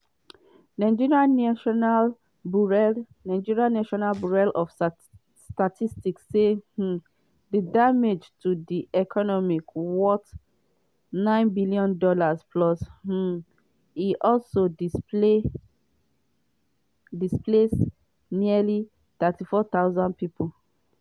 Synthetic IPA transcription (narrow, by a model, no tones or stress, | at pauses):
nãɪd͡ʒiɹiãaʃɔnal | buɹɛ | nãɪ̃d͡ʒiɹiãnaʃɔnalbuɹɛlɔf | statʰistiksːeh̩ | dədamed͡ʒtʰudiʔɛkʰɔnɔmikwɔt | nãɪ̃nbilijɔ̃ndɔlaspʰlɔsh̩ | iʔɔlsodie | disples | nili | t̪ɛtifɔt̪aʊzãnd̚pipʰol